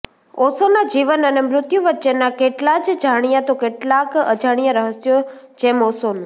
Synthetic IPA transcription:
osonad͡ʒiʋənənemɾʊt̪juʋətːʃenakeʈlad͡ʒd͡ʒaɽ̃ijat̪okeʈlakə̰d͡ʒaɽ̃ijãɾəɦəsjod͡ʒemosonũ

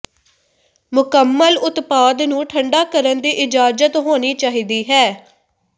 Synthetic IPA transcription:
mʊkəmːəlʊt̪paːd̪nũːʈʰəɳɖaːkəɾənd̪iːʔɪd͡ʒaːd͡ʒət̪ɦoːniːt͡ʃaːɦiːd̪iːɦɛː

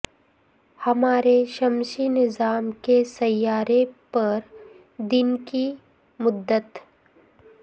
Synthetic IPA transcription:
hɐmaːɾeʃɐmʃinɪzaːmkesɐjːaːɾepɐɾ | d̪ɪnki | mʊd̪ːət̪

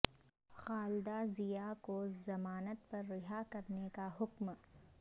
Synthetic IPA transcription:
xaːlɪd̪azijakozɐmaːnət̪pɐɾːɪɦakɐɾnekaɦʊkm

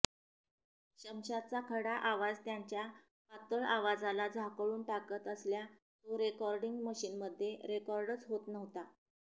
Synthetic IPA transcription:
ɕəmɕat͡sakʰəɽaʔaʋad͡zt̪jaɲt͡ɕja | pat̪əɭaʋad͡zalad͡zʱakɭuːnʈakət̪əslja | t͡soɾekɔɾɖiŋɡməɕiːnməd̪ʱːjeɾekɔɾɖət͡sɦot̪nəʋt̪a

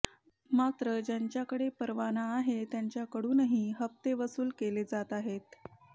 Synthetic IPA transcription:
mat̪ɾəd͡ʑjaɲt͡ɕjakəɽepəɾʋanaːɦet̪jaɲt͡ɕjakəɽuːnəɦiɦəp̚t̪eʋəsuːlkeled͡zat̪aɦet̪

